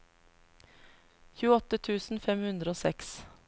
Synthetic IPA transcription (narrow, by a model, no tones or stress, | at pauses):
çʉːəɔt̪ət̪ʰʉːsn̩fɛmhʉnd̪ɾəoːsɛks